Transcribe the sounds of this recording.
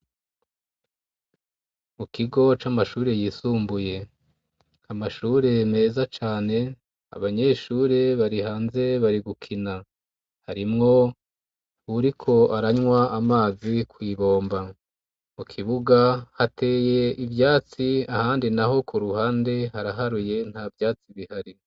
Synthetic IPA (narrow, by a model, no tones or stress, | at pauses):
mukiɡo̞t͡ʃamaʃuːɾe̞jiːsuːmbuje̞ | amaʃuːɾe̞me̞ːzat͡ʃaːne̞ | a̰βaɲe̞ʃuːɾe̞βaɾihaːnze̞βaɾiɡukʰina | haɾimŋo̞ | uɾikʰo̞ʔaɾaɲwaamaːzikwiːβo̞ːmba | mukʰiβuɡahate̞ːje̞ivjaːt͡siahaːndinaɦo̞kuɾuhaːnde̞haɾaɦaɾuje̞n̥haːvjaːt͡siβihaɾi